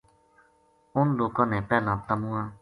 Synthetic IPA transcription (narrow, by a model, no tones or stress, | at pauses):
ʊnloːkãːnẽːpɛːlãːt̪əmũːãː